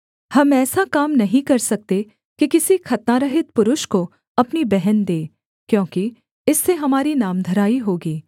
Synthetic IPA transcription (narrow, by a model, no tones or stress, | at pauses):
hɐmɛːsakaːmnɐɦĩkɐɾsɐk̚t̪e | kikɪsikʰɐt̪naɾɐɦɪt̪̚pʊɾʊʃko | ɐpnibɛɦɛnd̪eː | kjõːki | ɪsːeɦɐmaːɾinaːmd̪ʱɐɾaːiɦoːɡiː